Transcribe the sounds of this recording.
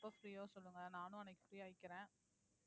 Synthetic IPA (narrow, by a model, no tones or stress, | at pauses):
pːɐfɾiːoːsɔlːɯŋɡɐnaːnʊ̃ɐnɛɪkːɯfɾiːaːjɪkːɪɾẽː